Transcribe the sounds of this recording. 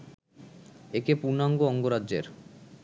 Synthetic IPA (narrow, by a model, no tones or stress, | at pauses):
ekepuɾnaŋɡoɔŋɡoɾadʑḛɾ